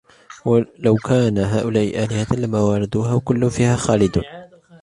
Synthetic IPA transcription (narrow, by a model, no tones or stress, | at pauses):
wlawkʰaːnaɦaːʔʊlaːʔɪ̰ʔaːlɪhat̪lamːaːwɑɾˤɑd̪uːhaːwkʊlːʊnfiːhaːxaːlɪd̪̰